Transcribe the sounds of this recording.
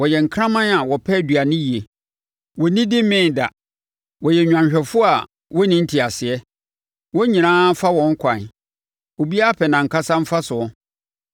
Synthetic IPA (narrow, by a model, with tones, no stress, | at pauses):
wɔ˨jɛ˨ŋ̩˨kʰɾã˦mã˦na˨wɔ˨pʰɛ˦˨dɥa˨nɪ̃˦ji˨e˨ | wɔ˨nĩ˦dɪ˦m˦mɪ̃˦˨n˨da˨ | wɔ˨jɛ˨ɲᶣ˨ã˨ɕᶣɛ˨fʊ˦a˨ | wɔ˦nɪ̃˦n̩˦tʰi˨a˨sɪ˨ɛ˦ | wɔ̃˦ɲĩ˨nãː˦fa˦wɔ̃˨ŋ̩˦kʷʰã˨ | o˨bi˦a˦pʰɛ˨nã˨ŋ̩˨kʰa˦sã˦m̩˦fa˦sʊ˨ɔ̃˦